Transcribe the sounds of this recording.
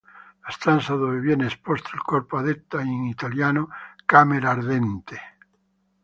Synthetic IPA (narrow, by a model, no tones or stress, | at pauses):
ast̪ansaðomeβjeneespost̪oelkoɾpoaðet̪ːaiŋit̪aljanokameɾaɾðent̪e